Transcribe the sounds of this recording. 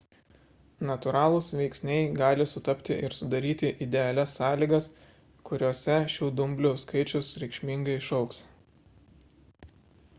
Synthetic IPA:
nɐt̪ʊɾɑːlˠʊsʋʲɛɪksʲnʲɛɪɡɑːlʲɪsʊt̪ɐpʲt̪ʲɪʔɪɾsʊd̪ɐɾʲiːt̪ʲɪʔɪd̪ʲɛɐlʲɛsːɑːlʲiːɡɐs | kʊɾʲoːsʲɛʃʲuːd̪ʊmʲbʲlʲʊskɐɪt͡ʃʲʊsɾʲɛɪkʃʲmʲiŋɡɐɪɪʃɒʊks

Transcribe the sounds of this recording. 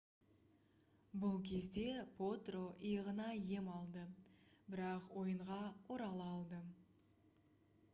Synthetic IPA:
bʊlˠkʲʰe̞zd̪e̞pʰot̪roʔijʁənɑje̞mɑlˠd̪əbɪɾɑqwo̞jəɴʁɑwo̞ɾɑlˠɑːlˠd̪ə

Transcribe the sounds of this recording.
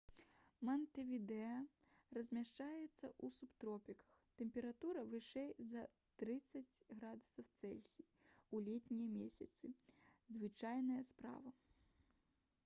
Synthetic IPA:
mɐnt̪ɛvʲid̪ɛɐrɐzʲmʲaʂt͡ʂajɛt̪sːɐʔusupt̪ɾɔpʲikɐ̥xt̪ɛmʲpʲɛɾat̪uɾɐvɨʂɛjzɐ | t̪ɾɨt̪sːɐt͡sʲɣɾad̪u̥sɐwt̪sɛlʲsʲi | ulʲɛt̪ʲnʲijɐmʲesʲɐ̰t̪sɨzvɨt͡ʂajnɐjɐspɾa̰vɐ

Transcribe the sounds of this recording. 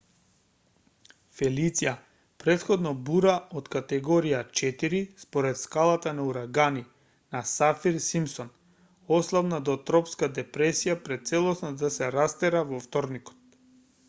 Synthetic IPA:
fɛlit̪sija | pɾɛt̪xɔd̪nɔbuɾaot̪kat̪ɛɡɔɾijat͡ʃɛt̪iɾispɔɾɛt̪skalˠat̪anauɾaɡani | nasafiɾsimsɔn | ɔslˠavnad̪ɔt̪ɾɔpskad̪ɛpɾɛsijapɾɛt̪̚t̪sɛlˠɔsnad̪asɛɾast̪ɛɾavɔft̪ɔɾnikɔ̥t̪̚

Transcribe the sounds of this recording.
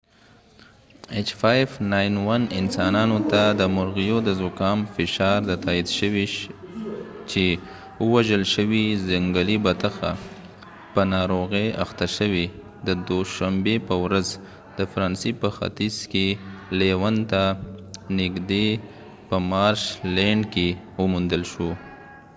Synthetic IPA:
et͡ʃfajfnajnwanɪnsɑnɑnot̪ad̪əmʊɾɣijod̪əzʊkɑmfɪʃɑɾd̪ət̪ɑid̪ʃəwi | t͡ʃe | əwaʒəlʃəwizaŋɡəlibat̪axa̰ | pənɑɾoɣea̰xt̪aʃəwe | d̪əd̪oʃambepəwɾaz | d̪̥əfɾɑnsipəxa̰t̪izkelewant̪anɪɡd̪e | pəmɑɾʃleɳɖke | wəmund̪əlʃo

